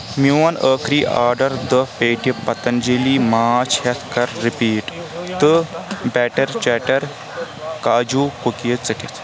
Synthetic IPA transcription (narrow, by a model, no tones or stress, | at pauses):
muɐnəːkʰɾiːʔa̰ːɾɖɐɾd̪əpeːʈipɐt̪ɐnd͡ʒiliːmaːt͡ʃʰhɐt̪ʰkɐɾːipiːʈt̪ɨbɛːʈɐɾt͡ʃɛːʈɐɾ | kaːd͡ʒuːkukiət͡sɨʈit̪ʰ